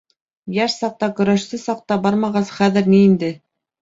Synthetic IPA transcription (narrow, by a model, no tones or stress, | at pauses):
jæʃsɑq̚t̪ɑkɵ̆ɾæʃsɘsɑq̚t̪ɑbɑɾmɑʁɑsχæðɘ̆ɾniːnd̪ɘ